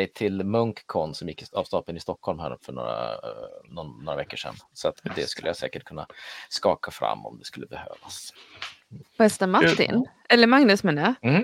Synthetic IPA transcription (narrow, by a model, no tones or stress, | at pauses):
ɛjt̪ʰɪlmɵŋkkʰːɔnsɔmjɪkːɪavst̪ɑːpənɪst̪ɔkhɔlmhæːɾfœɳo̰ːɾa̰nnoːɾavɛkːəʂɛ̰nːsɔat̪d̪ɛskɵlːəjasɛ̰ːkəʈ̚kʰɵnːa̰skɑːkafɾa̰mːɔ̰md̪ɛskɵlːəbɛhøːvas | vɛst̪əmat̪ːɪ̰nʔɛlːəɾmaŋnɵsmɛnːa